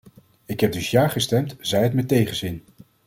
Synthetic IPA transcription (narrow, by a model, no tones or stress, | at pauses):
ɪkɦɛb̚dɵsjaːχəstɛmtz̥ɛjətmɛtejχənzɪn